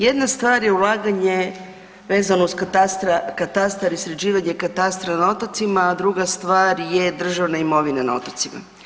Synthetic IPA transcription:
je̞d̪nast̪ʋaːɾje̞ulˠaːɡaɲe̞ | ʋe̞ːzanousktast̪ɾakat̪ast̪aɾisɾed͡ʑiːʋaɲekat̪ast̪ɾanao̞t̪ot̪simaːd̪ɾuɡast̪ʋaːɾjed̪r̩ʒaʋnaimo̞ʋinana̰o̞̰t̪ot̪sima̰

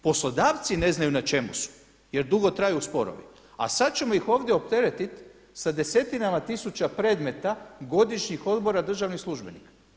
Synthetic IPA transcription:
po̞slo̞d̪aːʋt̪sine̞znajunat͡ʃe̞musu̥ | je̞ɾd̪uɡo̞t̪ɾajuuspo̞̰ɾo̰ʋḭ | a̰sad̪t͡ɕe̞mo̞ixo̞ːʋd̪ʲjeo̞pt̪e̞ɾe̞t̪it̪ | sad̪e̞se̞t̪inamat̪isut͡ɕapɾe̞ːd̪me̞t̪aɡo̞d̪iʃɲixo̞d̪bo̞ɾad̪r̩ʒaʋnislˠuʒbe̞nika

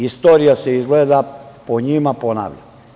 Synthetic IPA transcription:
ist̪oːɾijaseizɡleːd̪apoɲimapona̰ːʋʎa̰

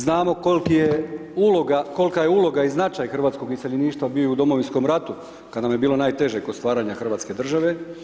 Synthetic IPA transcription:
znaːmo̞kolkijeulo̞ɡako̞lkaje̞ulˠo̞ɡaiznat͡ʃajxr̩ʋaːt̪sko̞ɡiseʎeniːʃt̪ʋabiojud̪o̞moʋinsko̞mɾat̪u | kad̪namjebiːlo̞naːjt̪e̞ʒekod̪st̪ʋaːɾaːɲaxr̩ʋaːt̪ske̞d̪r̩ʒaʋe̞

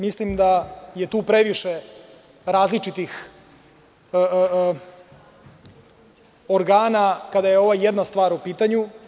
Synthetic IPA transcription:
mislimd̪aje̞t̪uːpɾeʋiʃe | ɾaːzlit͡ʃit̪ix | ə | oɾɡaːnakad̪aje̞o̞ʋajed̪nast̪ʋaːɾopiːt̪aɲu

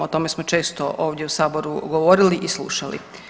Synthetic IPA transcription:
ot̪o̞me̞smo̞t͡ʃe̞ːst̪o̰ʔoːʋd̪jeusaːbo̞ɾṵɡoʋo̞ɾiliʔislˠṵːʃalḭ

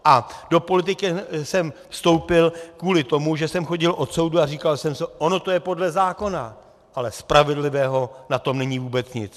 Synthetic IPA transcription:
ʔad̥o̞po̞lɪt̪̬ɪkɪsɛmfst̪o̞wpɪlkuːlɪt̪o̞muʒɛsɛmxo̞ɟɪlʔo̞t̪so̞wduariːkalsɛmsɛʔo̞no̞t̪o̞jɛpo̞dlɛzaːko̞na | ʔalɛspɾavɪdlɪvɛːɦo̞nat̪o̞mnɛɲivuːbɛt͡sɲɪt͡s

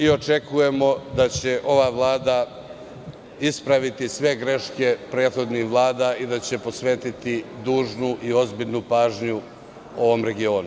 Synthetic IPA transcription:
io̞t͡ʃe̞kuje̞mo̞d̪at͡ɕe̞ʔo̞ʋaʋlˠaːd̪a | ispɾaʋit̪isʋe̞ɡɾe̞ʃke̞pɾeːt̪xo̞d̪nixʋlˠaːd̪aid̪at͡ɕe̞po̞sʋe̞ːt̪it̪id̪uːʒnuʔio̞zbiʎʲnupaːʒɲu | o̞ʋo̞mɾe̞ɡio̞ːnu

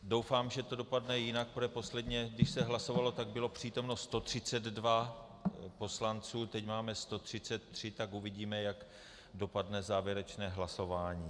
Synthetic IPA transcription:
do̞wfaːmʒɛt̪o̞do̞padnɛjɪnak̚pɾoɛpo̞slɛdɲɛɡdɪʃsɛɦlaso̞valo̞t̪aɡ̚bɪlo̞pr̝̥iːt̪o̞mno̞st̪o̞t̪r̝̥ɪt͡sɛd̪dva | po̞slant͡suːt̪ɛcmaːmɛst̪o̞t̪r̝̥ɪt͡sɛt̪ːr̥ɪt̪akuvɪɟiːmɛjaɡ | do̞padnɛzaːvjɛɾɛt͡ʃnɛːɦlaso̞vaːɲiː

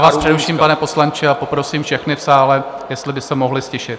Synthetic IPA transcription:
aːspr̥ɛdɛfʃiːmpanɛposlant͡ʃɪapo̞pɾo̞siːmfʃɛxnɪfsaːlɛ | jɛst̪lɪbɪsɛmoɦlɪscɛʃɪt̪̚

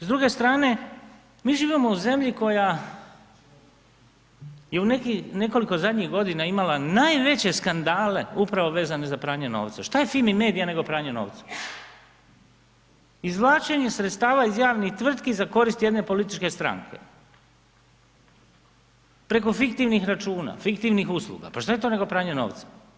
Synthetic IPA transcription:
zd̪ɾuɡe̞st̪ɾaːne̞ | miːʒiːʋimo̞uze̞mʎiko̞ja | jeunekine̞ko̞liko̞zad̪ʲɲiɣɡo̞d̪inaimalanajʋe̞t͡ɕe̞skand̪aːle̞upɾaʋo̞ʋe̞ːzane̞zapɾaːɲeno̰ːʋt̪saʃt̪ajefilmime̞ːd̪ijane̞ɡo̞pɾaːɲeno̞̰ːʋt̪sḁ | izʋlˠaːt͡ʃeɲe̞sɾet̪st̪aːʋaizjaːʋnixt̪ʋr̩t̪kizako̞ɾist̪je̞d̪ne̞po̞lit̪i̥t͡ʃke̞st̪ɾa̰ŋkʰḛ | pɾe̞ko̞fikt̪iʋnixɾat͡ʃuːna̰fikt̪iʋnixuslˠṵɡa̰paʃt̪aje̞t̪one̞ɡo̞pɾaːɲeno̞̰ːʋt̪sḁ

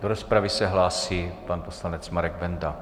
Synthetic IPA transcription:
doɾospɾavɪsɛɦlaːsiːpanpo̞slanɛt͡smaɾɛɡvɛnd̪a

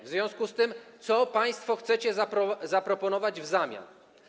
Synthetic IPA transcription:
vzvʲjɔ̃w̃skust̪ɘmt̪sɔpaj̃st̪fɔxt̪sɛt͡ɕɛzaɔzapɾɔpɔnɔvad͡ʑvzamʲja̰n

